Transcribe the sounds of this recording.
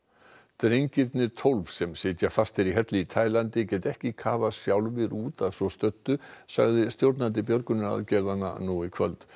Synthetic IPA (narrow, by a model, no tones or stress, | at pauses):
t̪ɾejɲcɪɾt̪nɪɾt̪ʰowlvsɛmsɪːt̪jafast̪ɛɾiɦɛt̪lɪit̪ʰaːjlant̪ɪcɛːt̪ɛhcɪkʰaːvasjawlvɪɾuːt̪aðsvɔst̪œt̪ːʏsa̰ɣðɪst̪jowɾt̪nant̪̬ɪpjœɾkʏnɪɾa̰ðcɛɾðanːa̰nuɪkʰvœlt̪